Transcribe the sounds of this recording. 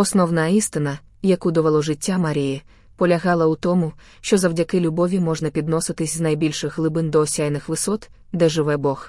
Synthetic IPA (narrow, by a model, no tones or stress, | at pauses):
ɔsnɔwnɐist̪ɪnɐ | jɐkud̪ɔʋɐlˠɔʒɪtʲːamɐɾʲiji | pɔlʲɐɦɑlˠɐut̪ɔmʊ | ʃt͡ʃɔzɐwdʲɐkɪlʲʊbɔʋʲimɔʒnɐpʲid̪nɔsɪt̪ɪsʲznɐjbʲilʲʃɪɣɦlˠɪbɪnd̪ɔːsʲajnɪxʋɪsɔt̪ | d̪ɛʒɪʋɛbɔx